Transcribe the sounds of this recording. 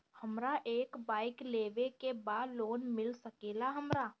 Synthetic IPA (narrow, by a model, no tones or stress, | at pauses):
hɐmɾaʔeːkbaːɪkleːʋekebaːd̪loːnmɪlsɐkeːlaɦɐmɾaː